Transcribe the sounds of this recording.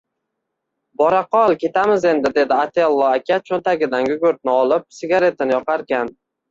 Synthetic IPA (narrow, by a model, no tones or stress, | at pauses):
bɒɾaqʰɒlˠkʲe̞t̪amɪze̞nd̪ɪd̪e̞d̪ɪat̪ʰealˠːɒakʲʰat͡ʃʰont̪ʰaɡʲɪd̪anɡʲʊɡʲɵɾt̪̚nɪɒlˠɪp̚sɪɡʲaɾe̞t̪ʰanɪjɒqɑɾkʲan